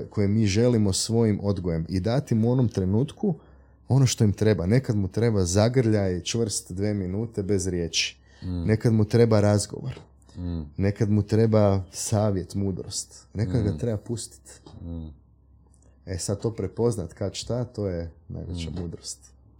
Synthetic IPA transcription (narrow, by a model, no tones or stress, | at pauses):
kʰo̞jemiːʒe̞limosʋo̞jimʔo̞d̪ɡoje̞mid̪at̪imuo̞no̞mt̪ɾe̞nuːt̪ku | o̞noʃt̪o̞imt̪ɾe̞bane̞kad̪mut̪ɾe̞bazaɡr̩ʎat͡ʃʋr̩st̪d̪ʋeːminuːt̪e̞be̞zɾje̞ːt͡ʃi̥ | ne̞kad̪mut̪ɾe̞baɾazɡo̞̰ʋo̰ɾ | ne̞kad̪mut̪ɾe̞basaːʋje̞t̪muːd̪ɾo̞̰st̪ne̞kad̪ɡat̪ɾe̞bapust̪i̥t̪ | esad̪̚t̪o̞ːpɾepo̞znat̪kaʃt̪at̪o̞ːjena̰jʋet͡ʃa̰muːd̪ɾo̞st̪